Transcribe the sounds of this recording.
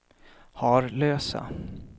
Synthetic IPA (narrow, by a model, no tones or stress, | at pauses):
hɑɾløːsa̰